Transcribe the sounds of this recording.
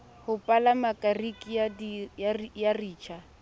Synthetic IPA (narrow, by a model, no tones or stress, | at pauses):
hʊpʼalamakʼarikʼiad | jariːt͡ʃʰa